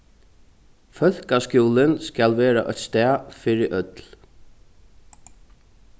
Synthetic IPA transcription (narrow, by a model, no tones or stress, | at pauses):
fœθkascjuːlɪnskalʋɛːɾa̰ʔœ̰t̪st̪ɛːfɪɾɪɾʔœt̪l